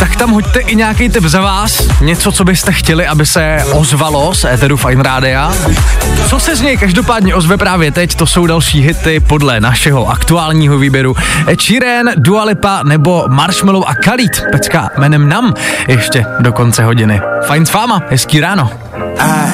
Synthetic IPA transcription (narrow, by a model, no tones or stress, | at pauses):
t̪akt̪amɦoct̪ɛʔɪɲɛakijt̪ɪpzavaːsɲɛt͡sot͡so̞bɪst̪ɛxcɛlɪʔabɪsɛ | ʔozvalo̞sʔɛːt̪ɛɾufajnɾaːdɪa | t͡so̞sɛzɲɛjkaʒdo̞paːdɲɛʔo̞zvɛpɾaːvjɛt̪ɛct̪o̞so̞wdalʃiːɦɪt̪ɪpo̞dlɛnaʃɛɦo̞ʔakt̪uaːlɲiːɦoviːbjɛɾut͡ʃiɾɛndualɪpanɛbo̞maɾʃmɪlowʔakaliːt̪pɛt͡skamɛːnɛmnamjɛʃcɛdo̞ko̞nt͡sɛɦo̞ɟɪnɪfajnsvaːmaɦɛskiːɾaːno̞